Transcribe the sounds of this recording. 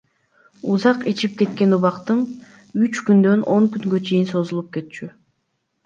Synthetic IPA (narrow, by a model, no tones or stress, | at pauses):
uzɑqet͡ʃip̚ke̞t̪̚ke̞nuβɑqt̪ɯm | yt͡ʃkynd̪ø̞nʔo̞ŋkyŋɡø̞t͡ʃʰe̞jinso̞zulˠup̚ke̞t̪̚t͡ʃy